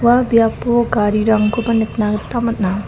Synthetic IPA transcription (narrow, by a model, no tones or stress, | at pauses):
wabjapoɡaɾiɾaŋɡobɐnɯk̚naɡtamɐt̚na